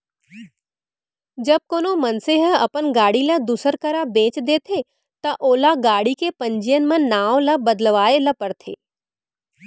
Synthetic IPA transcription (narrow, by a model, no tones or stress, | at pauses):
d͡ʒɐb̚koːnomɐnseɦəɐpənɡaːɽiləd̪usəɾkəɾabẽːt͡ʃd̪eːt̪ʰe | t̪ɐʔoːlaɡaːɽikepɐ̃ɲd͡ʒijən̆mɐ̃nːaːʋlɐbɐd̪əlʋaːelɐpɐɽt̪ʰḛː